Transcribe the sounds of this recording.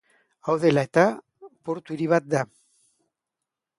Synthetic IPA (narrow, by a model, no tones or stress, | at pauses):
awðe̞laet̪a | po̞ɾt̪uiɾiβ̞at̪̚d̪a